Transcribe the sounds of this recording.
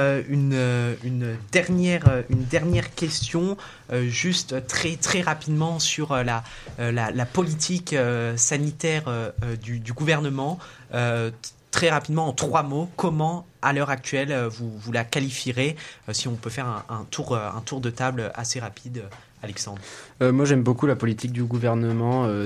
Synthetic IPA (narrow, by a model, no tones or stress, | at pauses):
øynøynød̪ɛʁnjɛʁøynd̪ɛʁnjɛʁkʲɛst̪jɔ̃ | øʒyst̪øt̪χɛt̪χɛʁapid̪mɑ̃syʁøla | lalapɔlit̪ʰikøsanit̪ɛʁøød̪yd̪yɡuvɛʁnəmɑ̃ | øt̪χɛʁapid̪mɑ̃ɑ̃t̪χwamokɔmɑ̃alœʁak̚t̪ɥɛløvuvulakalifiʁeøsiɔ̃pøfɛʁɛ̃ɛ̃t̪ʰuʁøɛ̰̃t̪uʁd̪ət̪abløʔaseʁapʰid̪ø | alɛksɑ̃d̪ʁømwaʒɛmbokulapɔlit̪ik̚d̪yɡuvɛʁnəmɑ̃ø